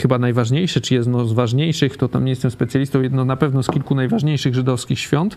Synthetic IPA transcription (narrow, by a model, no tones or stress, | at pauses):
xɘbanajvaʐɲejʂɛt͡ʂɘjɛd̪nɔzvaʐɲejʂɘxt̪ɔt̪a̰mɲejɛst̪ɛmspɛt̪sʲjalʲist̪ɔ̃wjɛd̪nɔnapɛvnɔskʲilkunajvaʐɲejʂɘɣʐɘd̪ɔfskʲixɕfʲjɔnt̪